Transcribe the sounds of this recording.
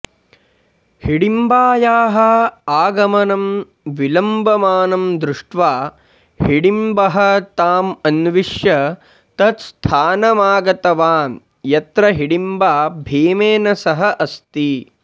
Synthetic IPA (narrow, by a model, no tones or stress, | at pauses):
hiɽimbaːjaːɦɐaːɡɐmɐnɐm | ʋilɐmbɐmaːnɐmd̪ɾuʂʈʋaː | hiɽimbɐɦɐ̆t̪aːmɐnʋiʂjɐ | t̪ɐt̪st̪ʰaːnɐmaːɡɐt̪ɐʋaːn | jɐt̪ɾɐɦiɽimbaːbʱiːmeːnɐsɐɦɐʔɐst̪i